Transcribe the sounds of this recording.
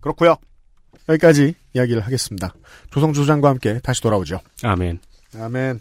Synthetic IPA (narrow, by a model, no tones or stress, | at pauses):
kɯɾʌkʰujo | jʌɡik͈ad͡ʑiː | jaɡiɾɯɭɦaɡe̞s͈ɯmɲida | t͡ɕosʰʌŋd͡ʑʰod͡ʑaŋɡwahamk͈e̞taɕʰi̥toɾabod͡ʑioa̰men | amen